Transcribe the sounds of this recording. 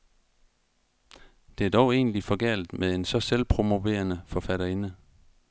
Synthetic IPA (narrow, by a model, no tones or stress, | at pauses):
d̥e̝æd̥ɒʊe̝̰ːnlifɒ̽ɡ̥æ̰l̰d̥meðˠe̝nsɒ̽selpʰʁo̝mo̝ʋe̝̰ːɐnəfɒ̽fæɾ̥ɐe̝nə